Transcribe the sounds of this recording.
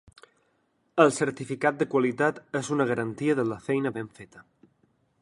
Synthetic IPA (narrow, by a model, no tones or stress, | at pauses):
əlˠsəɾt̪ifikat̪̚d̪əkwalit̪at̪ezunəɣ̞əɾənt̪iəðələfɛjnəβeɱfet̪ə̥